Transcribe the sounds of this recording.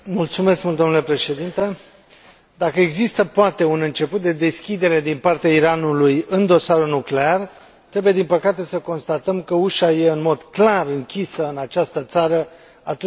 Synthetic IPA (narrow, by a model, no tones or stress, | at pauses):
mult̪sume̞skmult̪onule̞pɾe̞ʃe̞d̪int̪e̞ | d̪akəeɡzist̪əpoat̪e̞unɨnt͡ʃe̞put̪̚d̪e̞d̪e̞skʲid̪e̞ɾe̞d̪inpart̪eaiɾanulujɨnd̪o̞saɾunukle̞ar | t̪ɾe̞buje̞d̪inpəkat̪e̞səko̞nst̪at̪əmkəuʃaje̞ɨnmo̞d̪klarɨŋkʲisəɨnat͡ʃast̪ət̪saɾə | at̪